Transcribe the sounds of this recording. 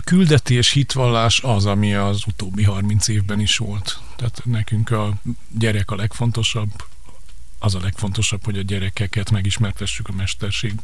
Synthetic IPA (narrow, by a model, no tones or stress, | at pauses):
kyld̪ɛt̪eːʃhit̪ʋɒlːaːʃɒzɒmiɒzut̪oːbːiɦɒrmint̪seːvbɛniʃʋo̞lt̪ːaːt̪nɛkyŋkɒ | ɟɛɾɛkɒlɛkfo̞nt̪o̞ʃɒbː | ɒzɒlɛkfo̞nt̪o̞ʃɒpho̞ɟɒɟɛɾɛkɛkɛt̪mɛɡiʃmɛrt̪ɛʃːykɒmɛʃt̪ɛrʃeːɡ